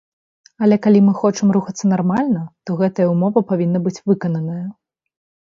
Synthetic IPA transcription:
ɐlʲɛkalʲimɨxɔt͡ʂɐmɾuxɐt̪sːɐnarmalʲnɐt̪ɔɣɛt̪ɐjɐumɔvɐpavʲinːɐbɨt͡sʲvɨkɐnɐnɐjɐ

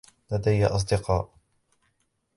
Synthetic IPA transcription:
lad̪ajːaʔɑs̬ˤd̪ɪqɑːʔ

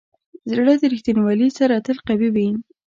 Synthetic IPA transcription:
zɽəd̪əɾɪxt̪inwalisaɾat̪əlqabibin

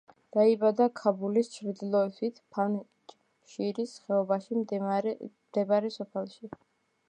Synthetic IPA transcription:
d̪̥aibad̪akʰabulist͡ʃʰɾd̪ilˠɔɛsʰit̪ʰpʰan | ʃiɾisχɛɔbaʃi | md̪̥ɛbaɾɛsɔpʰɛlˠʃi

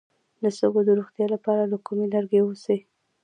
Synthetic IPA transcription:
d̪əsəɡod̪əɾoxt̪jɑlapɑɾalakumelaɾɡewusi

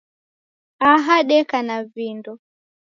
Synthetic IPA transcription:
aɦaɗɛkanavindɔ

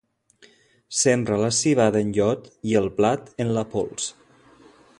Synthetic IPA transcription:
sembɾələsiβaðəənʎɔt̪iəlˠplat̪ənlapɔ̰lˠs

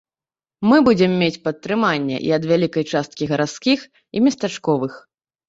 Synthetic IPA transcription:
mɨbud͡zʲɛmːʲet͡sʲpɐt̪ːɾɨmanʲːɛ̰ʔḭɐd̪vʲalʲikɐjt͡ʂast̪̚kʲiɣɐɾat̪skʲix | ḭmʲɐst̪at͡ʂkɔvɨx

